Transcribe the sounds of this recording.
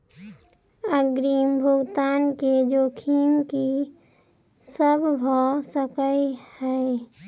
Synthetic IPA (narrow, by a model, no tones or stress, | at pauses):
əɡɾiːmbʱʊɡt̪aːnked͡ʒoːkʰiːmki | səbbʱɔsəkəjhɛ